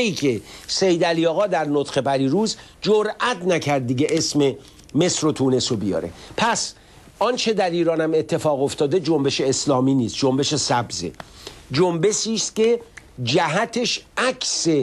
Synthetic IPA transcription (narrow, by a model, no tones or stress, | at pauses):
iːkʰe̞sejd̪æliɒːɣɒːd̪æɾnot̪χe̞pʰæɾiːɾuːz | d͡ʒoɾʔæt̪næcʰæɾd̪̚ːiɡeʔesme̞ | me̞sɾo̞t̪ʰuːne̞sobijɒ̰ːɾe̞̰pʰæs | ʔɒːnt͡ʃʰe̞d̪æɾiːɾɒːnæme̞t̪ʰːe̞fɒːɣoft̪ɒːd̪e̞d͡ʒombe̞ʃeːslɒːmiːniːst̪̚d͡ʒombe̞ʃe̞sæbzḛd͡ʒombe̞ʃiːst̪ced͡ʒæɦæt̪ʰe̞ʃækʰse